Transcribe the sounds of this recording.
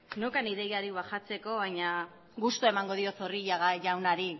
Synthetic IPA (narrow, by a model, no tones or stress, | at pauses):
nokaniðejaɾiβaxat͡se̞ko̞βajɲa | ɣust̪uae̞maŋɡo̞ð̞io̞θoriʎaɣaʝawnaɾi